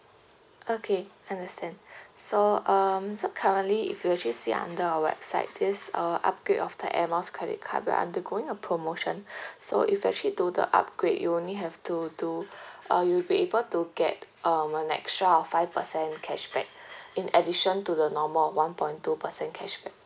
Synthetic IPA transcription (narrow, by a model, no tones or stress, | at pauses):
okʰeãndəstɛ̃nsoʌmsokʰaɹə̃nliḭfjuɛk̚t͡ʃəlisiʔã̰ndəəwɛ̰b̥sa̰ɪt̚disəʔa̰p̚ɡ̥ɹetɔfdə̰ʔɛməskʰɹɛdḭt̚kʰa̰bɛ̰ʔã̰ndəɡoɪ̃ŋəpʰɹomoʃə̃nso̰ʔifjuɛk̚t͡ʃəlidudə̰ʔa̰p̚ɡ̥ɹetjṵõnliɦɛftuduʔʌjulbiebəltuɡɛt̚ʌmənɛ̰kstɹaɔfːaɪvpəsɛ̃nkʰɛʃb̥ɛ̰k̚ĩnədiʃə̃ntudənɔməlɔwãnpɔ̃ɪ̃ntupəsɛ̃nkʰɛʃbɛk̚